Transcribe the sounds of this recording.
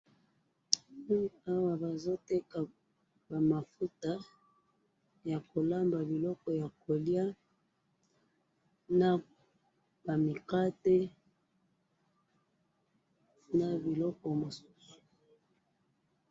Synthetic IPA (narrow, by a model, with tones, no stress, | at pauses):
a˦wa˨ba˨zo˦tɛ˦ka˨ | ba˨ma˨fu˦ta˨ | ja˨ko˨la˦mba˨bi˨lɔ˦kɔ˨ja˨ko˨lja˦ | na˨ | ba˨mi˨ka˦te˦ | na˨bi˨lɔ˦kɔ˨mo˨su̥˦su̥˨